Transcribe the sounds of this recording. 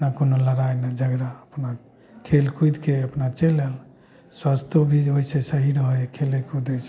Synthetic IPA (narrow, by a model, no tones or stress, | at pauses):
ənakonoləɾajnad͡ʒəɡɾaəpna | kʰelkʰujd̪keəpnat͡ʃelel | swast̪ʰobʱioisesəɦiɾəɦəjkʰelekud̪əse